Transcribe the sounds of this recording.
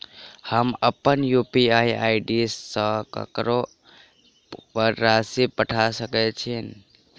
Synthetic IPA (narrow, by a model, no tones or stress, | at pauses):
həməpənjupiaia̰ɪɖisːə̃kə̰kɾo | pəɾːasepəʈʰasəkɛt͡ʃʰin